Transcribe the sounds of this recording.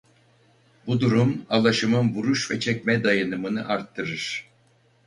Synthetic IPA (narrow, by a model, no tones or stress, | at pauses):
bud̪uɾumalˠaʃɯmɯnvuɾuʃvɛt͡ʃʰɛcʲmɛd̪ajanɯmɯnɯ̰ʔaɾt̪ʰːɯɾɯɾ̥